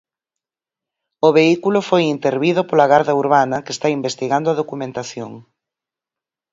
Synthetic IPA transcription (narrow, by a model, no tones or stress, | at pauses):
ʊβeikulʊfojint̪eɾβiðʊpolɐɣaɾðɐuɾβanɐkest̪aimbest̪iɣand̪ʊaðokumẽnt̪aθjo̰ŋ